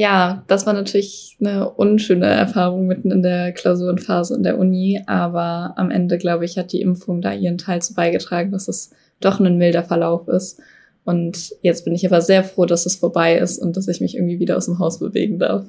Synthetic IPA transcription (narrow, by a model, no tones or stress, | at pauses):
jaːd̥asv̥aːɐnatʰyːɐlɪç | nəʔʊnʃøːnə̰ʔɛ̰ɐfaːʁ̞ʊŋmɪtn̩ɪndeːɐkʰl̥aʊzuːʁənfaːzəɪ̰ndḛːɐʔʊniʔaːbɐʔa̰mʔɛ̰ndəɡlaʊbəɪçhat̚d̥iːʔɪ̰mfʊŋda̰ːʔḭːʁən̩tʰaɪlt͡suːbaɪɡətʁ̥aːɡŋ̩d̥asd̥as | d̥ɔχnənmɪldɐfɛɐlaʊfɪ̰st | ʔʊntjɛt͡st̚b̥ɪnɪçʔaːbɐzeːɐfʁ̥oːdasd̥asfoːɐbaɪʔɪ̰stʊnt̚d̥asɪçmɪçʔɪ̰ɐɡŋ̩tv̥iːviːɾɐaʊsd̥eːmɦaʊsb̥əvḛːɡŋ̩da̰ɐf